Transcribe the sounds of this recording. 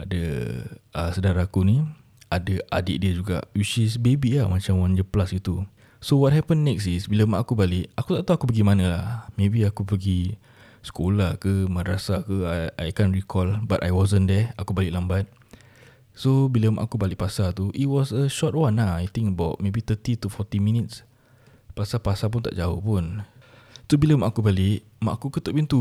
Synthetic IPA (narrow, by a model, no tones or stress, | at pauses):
adə̰ | əsədaɾaakunĩ | adəʔa̰dɪ̰ʔ̚diəd͡ʒuɡa̰ʔwit͡ʃisbebilahmat͡ʃamwand͡ʒəplasit̪u | sowɔt̚ɦɛpə̃nːɛksisbiləmaʔakubalɪʔakut̪at̪uakupəɡimanəlahmẽbiakupəɡi | sə̥kolakəmə̃nɾasakəaajkãnɹikʰɔlbata̰jwɔzənd̪ɛakubalɪʔlambat̪̚ | sobiləma̰ʔakubalɪʔ̚pasat̪uʔit̚wɔsəʃɔt̚wãnaajt̪ɪ̃ŋəbawt̚mebit̪ət̪it̪ufɔt̪imĩnits | pasapasap̬unt̪a̰ʔd͡ʒao̰hpun | sobiləmaʔakubalɪʔ | ma̰ʔakukət̪ɔʔpint̪u